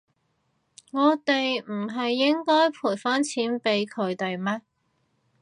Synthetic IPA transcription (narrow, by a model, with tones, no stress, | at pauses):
ŋɔː˨˧t̪e˨jm̩˨˩ɦɐ˨jːɪ˥ŋkɔː˥jpʰuː˨˩jfɐ˥nt͡sʰiː˨˥npe˨˥jkʰɵ˨˧ɥt̪e˨jmɛː˥